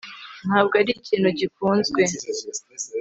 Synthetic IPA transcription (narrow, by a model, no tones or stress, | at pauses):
n̥haːb̚ɡaɾicʰiːnhuɟifuːnzɡwe̞